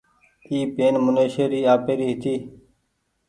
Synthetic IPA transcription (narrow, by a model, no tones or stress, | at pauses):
iːpeːnmʊneːʃeːɾiːaːpeːɾiːɦɪt̪iː